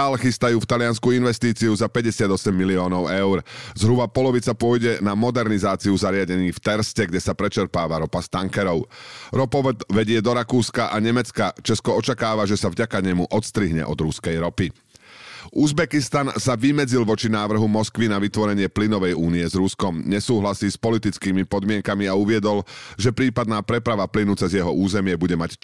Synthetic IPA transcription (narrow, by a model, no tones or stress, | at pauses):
aːlxist̪ajuːft̪alɪanskuinʋɛst̪iːt͡siuzapɛɟɛsɪad̪ɔsɛmːiliɔːnɔʊɛʊɾzɦɾubapɔlɔʋit͡sapʊɔjɟɛnamɔd̪ɛɾnizaːt͡siuzaɾɪaɟɛɲiːft̪ɛɾscɛɡɟɛsapɾɛt͡ʃɛɾpaːʋaɾɔpast̪aŋkɛɾɔʊɾɔpɔt̪ʋɛɟɪɛd̪ɔɾakuːskaʔaɲɛmɛt͡skat͡ʃɛskɔɔt͡ʃakaːʋaʒɛsavɟakaɲɛmuʔɔt̪st̪ɾiɦɲɛ̰ʔɔd̪ɾuskɛjɾɔpi | ʔuzbɛkist̪ansaʋimɛd͡zilʋɔt͡ʃinaːʋr̩ɦumɔskʋinaʋit̪ʋɔɾɛɲɪɛplinɔʋɛjuːniɛzɾuskɔmɲɛsuːɦlasiːspɔlit̪it͡skiːmipɔd̪mɪɛŋkamiauʋɪɛd̪ɔlʒɛpɾiːpad̪naːpɾɛpɾaʋaplinut͡sɛzjɛɦɔʔuːzɛmɪɛbuɟɛmac